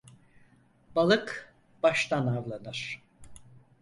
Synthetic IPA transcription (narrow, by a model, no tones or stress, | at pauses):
balˠɯk | b̥aʃt̪ʰanavlˠanɯɾ̥